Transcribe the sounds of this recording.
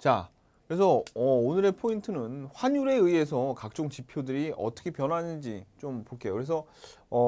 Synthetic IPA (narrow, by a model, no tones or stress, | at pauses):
t͡ɕa | kɯɾe̞sʰʌʌonɯɾe̞pʰointʰɯnɯnɸwaɲuɾe̞ɯie̞sʰʌkak̚t͡ɕ͈oŋt͡ɕipʰjodɯɾiʌ̰t͈ʌkʰe̞pjʌnɦanɯnd͡ʑit͡ɕompoɭk͈e̞jo̰kɯɾesʰʌʌ